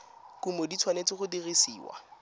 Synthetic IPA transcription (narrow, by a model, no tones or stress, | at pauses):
kumodit͡sʰwanet͡sɪχʊdirisiːwa̰